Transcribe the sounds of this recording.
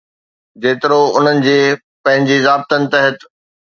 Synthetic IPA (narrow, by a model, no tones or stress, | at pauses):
d͡ʑeːt̪ɪɾoʊn̤ənɪ̆d͡ʑeː | pɐ̃ɦɪ̃ɲd͡ʑizaːb̚t̪ənɪ̆t̪ɐɦət̪